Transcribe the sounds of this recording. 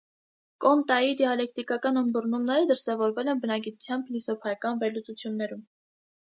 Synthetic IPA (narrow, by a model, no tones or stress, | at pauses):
kɔnt̪ɑjid̪iɑlɛkt̪ikɑkɑnəmbərnumnɛɾəd̪əɾsɛvɔɾvɛlɛnbənɑɡit̪u̥t͡sʰjɑmblisɔpʰɑjɑkɑnvɛɾlut͡sut͡sʰjunːɛɾum